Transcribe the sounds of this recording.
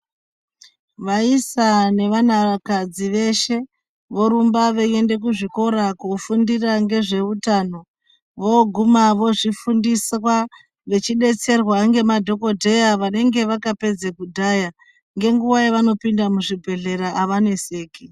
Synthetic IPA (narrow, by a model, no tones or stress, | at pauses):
ʋaisane̞ʋanaʋakad͡ziʋe̞ʃe̞ | ʋo̞ɾumbaʋe̞ende̞k̬uʐiko̞ɾakofundiraŋɡe̞ʐe̞utaːno̞ | ʋo̞ɡʱumaʋo̞ʐifundiswa | ʋe̞t͡ʃiɗe̞t͡se̞rwaŋɡe̞madʱo̞ko̞dʱe̞jaʋane̞ŋɡe̞ʋakape̞d͡zekudʱaːja | ŋɡe̞ŋɡuʋajeʋano̞pindamuʐibʱe̞ɮe̞ɾaʔaʋane̞se̞ːki